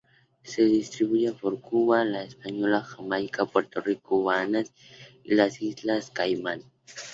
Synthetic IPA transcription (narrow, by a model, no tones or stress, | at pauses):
sed̪ist̪ɾiβujapoɾkuβalaespaɲolaxamajkapweɾt̪orikowanas | ilasislaskajman